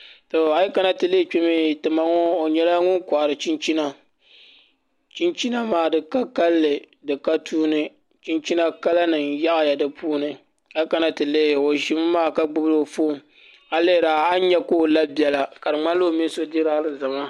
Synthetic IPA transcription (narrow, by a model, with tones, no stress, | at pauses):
to˨a˨˦ji˦ka˨na˦tɨ˨le˦t͡ʃi˦mi˦˨tɨ˨ma˦ŋo˦o˨ɲɛ˦la˦ŋʊ˦nka˨ʔɾɨ˨t͡ʃi˦nt͡ʃi˦na˦ | t͡ʃi˦nt͡ʃi˦na˦maː˨dɨ˨ka˦ka˦lːɨ˨ | dɨ˨ka˦tʰuː˦nɨ˦ | t͡ʃi˦nt͡ʃi˦na˦ka˦la˦nɨ˨nja˦ʔa˨ja˨dɨ˦pʰuː˦nɨ˨ | a˦ji˦ka˨na˦tɨ˨le˦˨o˨ʒi˦m˦maː˦˨ka˦ɡ͡bʊ˦blo˦˨fo˦˨ | a˦le˦˨ɾaː˨a˦ɲɛ˦koː˦˨la˦bi˦ɛ˨la˨ka˨dɨ˨ŋ͡ma˦n˦lo˦˨mi˦n˦so˦di˦ɾa˦lɨ˦za˨ma˦